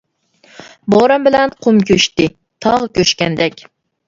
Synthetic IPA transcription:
boɾambɪlænqʰʊmkʲʰɵʃt̪ɪ | t̪ʰɑʁkʲøʃkʲænd̪ɛkʲ

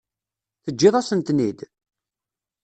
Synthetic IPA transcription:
θəd͡ʒːɪðˤasənt̪nid̪

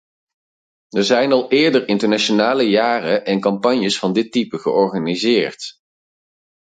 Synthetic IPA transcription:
əɹzɛjnɑlˠɪːɹdərɪntəɹnaʃonaːləjaːrəʔɛnkɑmpɑɲjəsfɑndɪtːipəχəʔɔɹχanizɪːɹt

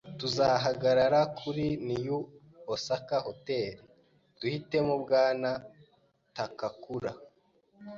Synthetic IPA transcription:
tuzaɦaɡaɾaɾakʰuɾiniju | osakahote̞ːɾi | d̥uhite̞mubɡaːna | takakuɾa

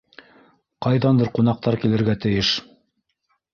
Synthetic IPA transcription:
qɑjðɑnd̪ɤɾqunɑq̚t̪ɑɾkilɘ̆ɾɡæt̪ɘ̆jɘʃ

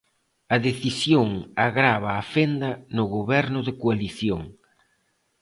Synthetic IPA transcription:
ɐðeθisjoŋaɣɾaβ̞aːfend̪ɐnʊɣoβɛɾnʊðɪkoaliθjoŋ

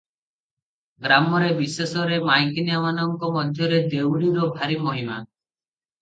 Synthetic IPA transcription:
ɡɾamɔɾebisesɔɾemajkinjamanɔŋkɔmɔd̪ʱjɔɾed̪ewɾiɾɔbʱaɾimoɦima

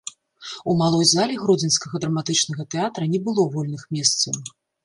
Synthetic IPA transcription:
umalˠɔjzalʲiɣɾɔd͡zʲɛnskɐɣɐd̪ɾɐmat̪ɨt͡ʂnɐɣɐt̪ɛat̪ɾɐnʲɛbɨlˠɔvɔlʲnɨxmʲɛst̪sɐw

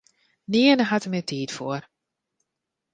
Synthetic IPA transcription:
nɪənəɦatəmɪtʰiːtfoər

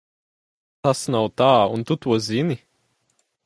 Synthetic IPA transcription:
t̪asnawt̪aːunt̪ut̪uɔzʲini

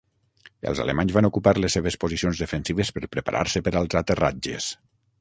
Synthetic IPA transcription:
ə̰lˠza̰lḛmaɲzβanokupaɾlesːeβ̞espozisionzðəfənsiβəspəɾpɾəpa̰ɾʔa̰ɾsəpəɾalˠzat̪ərad͡ʒḛs

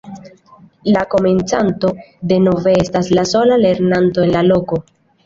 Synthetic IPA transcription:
lako̞me̞nt͡santo̞de̞no̞ve̞e̞staslaso̞lale̞ɾnanto̞e̞nlalo̞ko̞

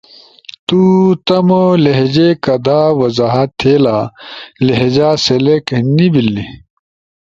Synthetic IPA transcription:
t̪ut̪ɐmoleɦd͡ʑekɐd̪aːwɐzaɦɐt̪ʰːeːlaleɦed͡ʑaːseleknibilːi

